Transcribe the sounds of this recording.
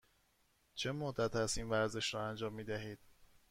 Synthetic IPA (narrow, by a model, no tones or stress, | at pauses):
t͡ʃʰe̞mohd̪ːæt̪ʰæst̪iːnvæɾze̞ʃɾɒːænd͡ʒɒːmːiːd̪æɦiːd̪̥̚